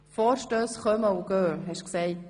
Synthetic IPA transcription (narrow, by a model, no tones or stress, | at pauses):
fɔːɾʃtøːsχœməuɡ̥øːɦɛʃksɛɪ